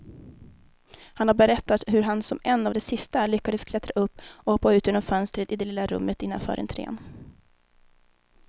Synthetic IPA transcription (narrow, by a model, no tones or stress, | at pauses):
hanhaɾbɛɾɛt̪ːat̪hɵɾɦansɔmɛnːavd̪ɛsɪst̪aɭʏkːad̪əskʰlɛt̪ɾaʔɵpːɔhɔpːaʉ̟ːt̪ɪnɔmfœnst̪ɾət̪ɪd̪ɛlɪlaɾɵ̰mːət̪ɪnːa̰nfœ̰ːɾʔɛ̰nt̪ʰɾḛːn